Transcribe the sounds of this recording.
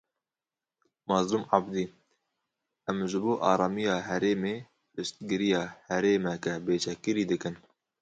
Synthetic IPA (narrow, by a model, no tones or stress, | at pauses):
mɑːzlʊmɑbd̪iː | ʔɛmʒɨboːʔɑːɾɑːmijɑːɦɛɾeːmeː | pɨʃt̪̚ɡɨɾijɑːhɛɾeːmɛkɛbeːt͡ʃʰɛkɨɾiːd̪ɨkɨn